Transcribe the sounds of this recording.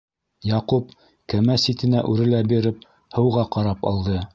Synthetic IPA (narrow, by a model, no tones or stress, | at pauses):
jɑqup | kæmæsit̪ɘ̆næʔʉɾɘ̆læbiɾɘp̚ | hɤ̆wʁɑqɑɾɑpɑ̰lˠd̪ɤ